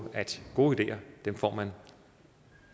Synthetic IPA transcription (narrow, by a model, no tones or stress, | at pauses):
æd̥ɡ̥o̝ːid̥e̝̰ːɐd̥emfɒ̰ːmæn